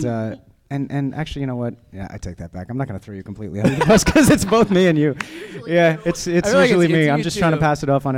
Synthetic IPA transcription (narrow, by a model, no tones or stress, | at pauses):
ʌ | ɨ̃nʔɨ̃nʔæ̰k̚t͡ʃʉl̩ˠijɨñoʊwʌt̚jæ̰ʔa̰ɪtʰeɪk̚ðɨt̚b̥æ̰kãɪ̃mnət̚ɡ̥ʌ̃nəθɹoʊjɨkʰm̩pʰl̥ḭtˡliɨ̃nəðəpʰʌskʰʌzɨtsb̥oʊθmiɨ̃njʉjæɨtsɪtsɹɛl̩ˠimiãɪ̃md͡ʒʌstʰɹ̥aɪɪ̃tʰɨpʰæsɨɾɔfn̩